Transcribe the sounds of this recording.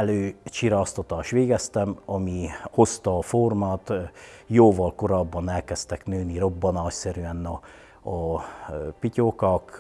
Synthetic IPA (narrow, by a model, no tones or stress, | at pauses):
ɛløːt͡ʃiɾɒst̪ot̪ɑːʃʋeːɡɛst̪ɛmɒmiho̞st̪ɒːformɑt̪joːvɒlko̞ɾaːbːɒnɛlkɛst̪ɛknøːniɾo̞bːɒnɑːcsɛɾyɛnːɒ | ɒ | picokɒk